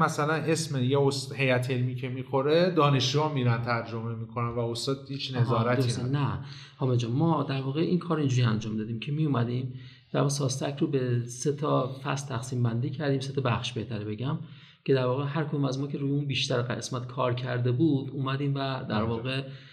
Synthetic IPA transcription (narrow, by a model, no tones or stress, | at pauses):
mæsælænʔesmejeoshe̞jæt̪ʰelmiːcʰemiːxo̞ɾed̪ɒːne̞ʃuɡɑmmiːɾænt̪ʰæɾd͡ʒome̞miːkʰonænvæost̪ɒːd̪hiːt͡ʃʰnezɒːɾætd̪oosenæ | hɒːmed͡ʒɒːnmɒːd̪æɾvɒːɣeʔinkʰɒːɾoind͡ʒuɾiænd͡ʒɒːmd̪ɒːd̪iːmcʰe̞mijumæd̪iːm | d̪̥æɾvɒːɣesɒːst̪ækʰɾobe̞se̞t̪ʰɒfæ̰st̪ʰːæxsiːmbænd̪iːcʰæɾd̪iːmse̞t̪ʰɒbæxʃbe̞ht̪ʰæɾbe̞ɟæm | cʰe̞d̪æɾvɒːɣeɦæɾkʰo̞d̪umæzmɒːcʰe̞ɾuːjeunbiːʃt̪æɾesmæt̪kʰɒːɾcʰæɾd̪e̞bud̪uːmæd̪iːmvæd̪æɾvɒːɣe̞